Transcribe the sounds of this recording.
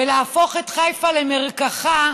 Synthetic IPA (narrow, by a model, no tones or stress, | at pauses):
elafo̞χetχajfalemeʁkaχa